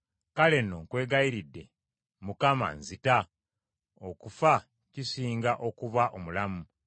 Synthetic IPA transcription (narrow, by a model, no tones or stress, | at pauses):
kale̞noŋkwe̞ːɡaiɾidːe̞ | mukama̰nzita | okufa | cisiːŋɡaʔo̞kuβaʔo̞mulamu